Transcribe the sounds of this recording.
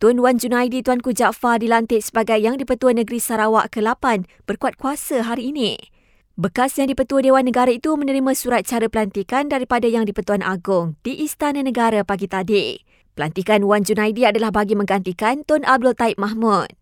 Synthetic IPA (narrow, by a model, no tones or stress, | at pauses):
t̪ʊnwand͡ʒunajdit̪uankud͡ʒaʔfardilant̪ɪʔsə̥baɡajːaŋdipət̪uənə̃ɡɾisaɾawa̰ʔkəlapan | b̥ərkuat̪̚kuasəɦaɾiːnĩ | bəkasjaŋdipət̪uədewanːə̃ɡaɾait̪umə̃nəɾimãsuɾat̪̚t͡ʃaɾəpəlant̪ikandaɾipadajaŋdipət̪uanʔa̰ɡʊŋd̥iʔist̪anãnə̃ɡaɾapaɡit̪adi | pəlant̪ikanwand͡ʒunajdiadalahbaɡimə̃ŋɡant̪ikant̪ʊnab̚dʊlt̪aip̚maɦmud̚